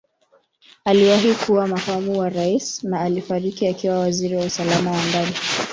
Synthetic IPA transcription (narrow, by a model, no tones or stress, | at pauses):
aliwaɦikuwamakamuwaɾaisnaːlifaɾikiakiwawaziɾiwausalamawandani